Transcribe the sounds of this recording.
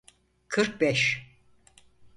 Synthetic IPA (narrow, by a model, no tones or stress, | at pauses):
kʰɯɾk̚bɛʃ